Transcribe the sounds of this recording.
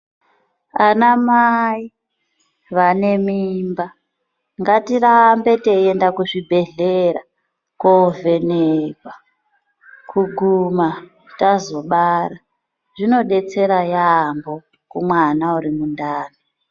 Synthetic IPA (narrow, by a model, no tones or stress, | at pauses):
anamai | ʋane̞mimba | ŋɡatirambe̞teendakuʐibʱe̞ɮeɾa | kovʱe̞nekwa | kuɡʱuma | tazo̞ɓaɾa | ʐ̥ino̞ɗe̞t͡se̞ɾajambo̞ | kumwanauɾimundaːni